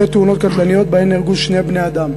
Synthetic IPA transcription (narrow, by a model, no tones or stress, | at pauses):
et̪ːeuno̞t̪̚kat̪lanijo̞t̪̚beenelɡuʃne̞jbne̞ad̪am